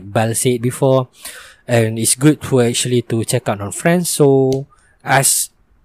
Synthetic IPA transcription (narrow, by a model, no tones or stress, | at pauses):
t̚bɛlset̚bifɔ | ɛ̃nitsɡud̚fɔɛk̚t͡ʃuəlitut͡ʃɛkaʊtɔ̃nfɹɛ̃nsːo | as